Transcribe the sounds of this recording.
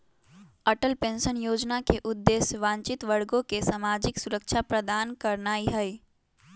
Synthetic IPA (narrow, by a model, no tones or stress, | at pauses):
əʈəlpẽnsənjoːd͡ʒnakeʔud̪ːesʋãnt͡ʃit̪ʋəɽɡõkesamad͡ʒiksuɾəkt͡ʃʰapɾəd̪aːnkəɾnaːiɦəj